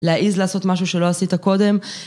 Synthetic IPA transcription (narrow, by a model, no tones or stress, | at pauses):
leaʔizlaːso̞tmaʃuʃe̞lo̞asitako̞de̞m